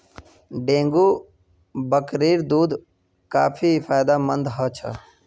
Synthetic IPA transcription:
ɖẽːŋɡu | bəkɾiːɾd̪uːd̪ | kaːpʰifʰaːɪd̪amənd̪ɦət͡ʃʰə̰

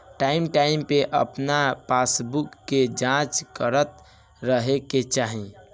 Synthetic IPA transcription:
ʈaimʈaimpeʔə̰pnapasbukːed͡ʒãt͡ʃkəɾət̪̚ | ɾəɦeket͡ʃaɦĩ

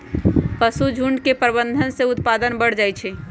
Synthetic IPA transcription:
pəsud͡ʒʱuɳɖkepɾbənd̪ʱənseʊt̪pad̪ənbəɽ̤d͡ʒajt͡ʃʰɛ

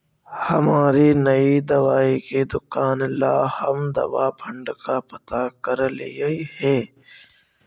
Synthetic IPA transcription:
hɐmaːɾinɐid̪ɐʋaːeked̪ʊkaːnlaːhəmd̪ɐ̰ʋapʰə̃ɳɖkapɐt̪akəɾlḛihɛ̃ː

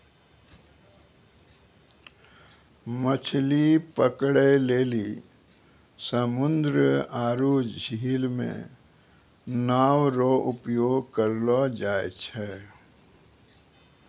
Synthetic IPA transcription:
mət͡ʃʰlipəkɽeleːli | səmʊnd̪ɾəaːɾuːd͡ʒd͡ʒʱiːlmḛ̃ | naːwɾoʔʊpjoːɡkəɾlɔd͡ʒaːḛt͡ʃʰɛ

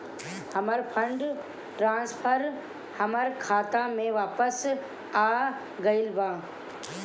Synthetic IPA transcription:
hɐməɾpʰə̃ɳɖ | ʈɾãːnspʰəɾ | hɐməɾkʰaːt̪ãmẽʋaːpəs | aː | ɡɐɪlbãː

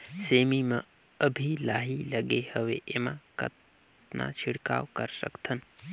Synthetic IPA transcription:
seːmimə̃ | əbʱilaːɦiləɡehəʋeʔemãkə̰t̪ | nã̰t͡ʃʰiɽka̰ːwkəɾsə̰kt̪ʰən

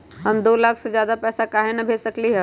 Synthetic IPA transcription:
ɦɐmd̪oːlaːkʰsed͡ʒjaːd̪apɛːsakaːɦenɐbʱeːsɐkliɦɛː

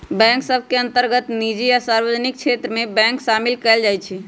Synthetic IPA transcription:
bɛ̃ŋksəbʱkeənt̪əɾɡət̪nid͡ʒijasaɾbəd͡ʒnik̚t͡ʃʰet̪ɾəmebɛ̃ŋksamilkɛld͡ʒajt͡ʃʰi

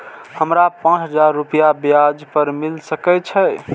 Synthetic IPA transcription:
həmɾapãt͡ʃʰɦəd͡ʒaɾːupijabjad͡ʒpəɾmilsəkɛt͡ʃʰɛ

